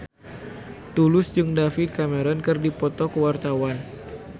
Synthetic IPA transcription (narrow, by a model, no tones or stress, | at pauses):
t̪ulʊsd͡ʒɨŋdafɪt̪̚kameɾɔnkɨrdipɔt̪ɔkəwart̪awan